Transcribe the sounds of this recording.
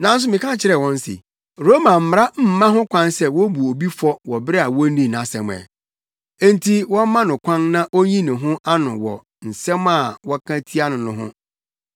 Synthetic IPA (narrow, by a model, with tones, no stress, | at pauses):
nã˨˦n̩˦s̬ʊ˦mɪ̃˨kã˦˨t͡ɕʰɪ˦ɾɛ˨wɔ̃˦n˦sɪ̰˨ | ɾo˦mã˨m̩˨m˦ɾa˦m̩˦mã˦ɦʊ̃˦kʷʰã˦nsɛ˦˨wɔ˦bu˨o˨bi˦fɔ˦wɔ˨bɾɪ˦a˨wɔ˦nĩ˦˨na˨sɛ̰̃˨m˨ɛ̰˨ | e˦n̩˦tʰi˦wɔ̃˦mã˦nʊ̃˨kʷʰã˦nnã˦ʔo˦ɲĩ˦nʊ̃˨ɦʊ̃˦ʔa˦nʊ̃˨wɔ̰˨ | n̩˨sɛ̃˦ma˨wɔ˦kʰã˦tʰi˦a˦nʊ̃˨nʊ̃˨˦ɦʊ̰̃˦